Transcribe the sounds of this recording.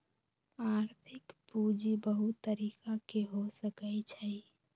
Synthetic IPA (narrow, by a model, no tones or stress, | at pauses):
aɾt̪ʰɪkpud͡ʒibəɦut̪ːəɾiːkakeɦosəkəjt͡ʃʰəj